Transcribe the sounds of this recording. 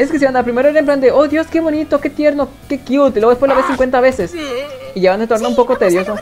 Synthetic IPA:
eskes̬iβand̪aɾpɾime̞ɾoeɾemp̬land̪e̞ʔoðjo̞ske̞βo̞nit̪o̞ke̞t̪je̞ɾnokekjut̪iloepwelaβesĩŋkwe̞naβe̞sesiʝaβand̪et̪oɾnoumpo̞kot̪eɾjoso

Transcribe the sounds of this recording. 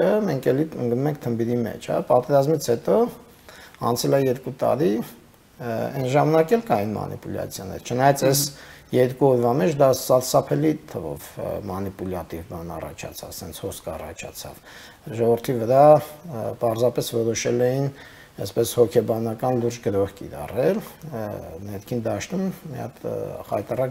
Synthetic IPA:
əmɛŋkʰɛliəŋɡnumɛŋk̚ʰt̪ʰəmbiɾimɛ̰t͡ʃʰhɑ̰pɑt̪ɛɾɑzmit͡sʰhɛt̪ɔ | ɑ̰nt͡sʰɛlɛjɛɾkut̪ɑ̰ɾi | ɛnʒɑmɑnɑkɛlkɑinmɑ̰nḭpulɑ̰t͡sʰjɑnɛ̰ɾt͡ʃʰənɑjɑt͡sʰɛsjɛɾkuɔɾvɑmɛt͡ʃʰd̪ɑsɑɾsɑpʰɛlit̪ʰəvɔ̰vmɑnipulɑt̪ivbɑnɑ̰rɑ̰t͡ʃʰɑ̰t͡sʰɑ̰t͡ssɛnt͡sʰhɔskʰɑrɑ̰t͡ʃʰɑ̰t͡sʰɑ̰v | ʒɔvəɾt̪ʰivəɾɑ | pɑɾzɑpɛsvɔɾɔʃɛlɛjin | ɛspɛshɔkʰɛbɑnɑkɑnluɾd͡ʒɡəɾɔhkḭɾɑ̰rɛl | nɛɾkʰind̪ɑʃt̪ummiɑ̰t̪hɑ̰t̪ɑrɑk

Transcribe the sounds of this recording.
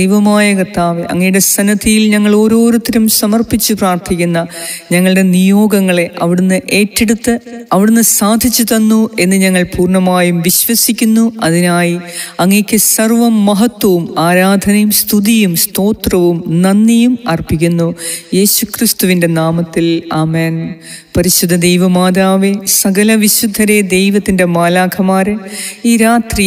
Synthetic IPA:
ejʋɐmaːjɐkɐt̪ːaːʋeʔɐ̰ŋːɐjuɽe̞sɐnɐt̪ːijilɲɐŋːɐɭo̞ːɾo̞ːɾut̪ːɐɾumsɐmɐrpit͡ɕːupraːrt̪ʰikʲːunːɐɲɐŋːɐɭɨɽe̞nijo̞ːɡɐŋːɐɭe̞ʔɐʋiɽunːɨʔe̞ːtːeɽut̪ːɨɐʋiɽunːɨsaːd̪ʱit͡ɕːut̪ɐnːue̞nːɨɲɐŋːɐɭpuːrɳɐmaːjumʋiɕʋɐsikʲːunːuɐðinaːjiɐŋːekʲːɨsɐrʋɐmːɐɦɐt̪ːwɐʋumaːɾaːd̪ʱɐnɐjumst̪ʰuðijumst̪o̞ːt̪rɐʋumnɐnːɐjumɐrpːikʲːunːuje̞ːɕukrist̪uʋinde̞naːmɐt̪ːilaːmeːn | pɐɾiɕud̪ʱːɐd̪ejʋɐmaːðaːʋesɐɡɐlɐʋiɕud̪ʱːɐɾe̞d̪e̞jʋɐt̪ːinde̞maːlaːkʰɐmaːɾɨiːɾaːt̪ri

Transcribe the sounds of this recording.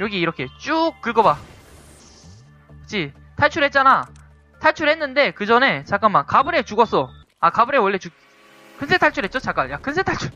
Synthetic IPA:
jʌɡiːɾʌkʰe̞t͡ɕ͈uk̚k͈ːɯɭɡʌba | ɯt͡ɕʰi | tʰaɭt͡ɕʰuɭhe̞t̚t͡ɕ͈ana | tʰaɭt͡ɕʰuɭhe̞nːɯnde̞kɯd͡ʑʌne̞t͡ɕak͈amːakkabɯɾe̞t͡ɕuɡʌs͈ʌ | akabɯɾewʌɭːe̞t͡ɕu | kɯnsʰetʰaɭt͡ɕʰuɾɦett͡ɕot͡ɕak͈anjakɯns̬ʰetʰaɭt͡ɕʰuɭ

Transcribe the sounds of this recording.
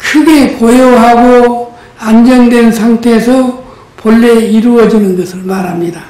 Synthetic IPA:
kʰɯɡekojoɦaɡo | and͡ʑʌŋdwe̞nsʰaŋtʰe̞ːsʰʌ | poɭːeiɾuʌd͡ʑinɯnɡʌsʰɯɭmaɾɦamɲida

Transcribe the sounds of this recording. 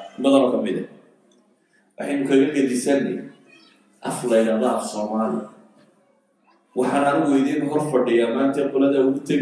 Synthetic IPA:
bɐðɐnɔkʰɐmɪðɐ̰ | wʔɑ̰ħɑjnʊkʰɐɣɐɡɐdɪsɐnːɛ̰ | ʔɐflɐjɾaːðɔɐfsɔːmaːlɪ̰ʊ | wɑħɑːnɐɾɪwɛjðinʊɦɔrfɐɖɪjaːmaːnt̪ʰɐqʊlɐðɐʊɣʊt̪ʰɐ

